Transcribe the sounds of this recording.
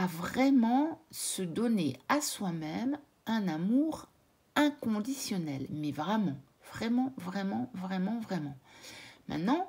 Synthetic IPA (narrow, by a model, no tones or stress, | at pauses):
avʁɛmɑ̃səd̪ɔneaswamɛm | ɛ̃namuʁ | ɛ̃kɔ̃d̪isjɔnɛlmɛvʁɛmɑ̃ | vʁɛmɑ̃vʁɛmɑ̃vʁɛmɑ̃vʁɛmɑ̃mɛ̰̃t̪nɑ̃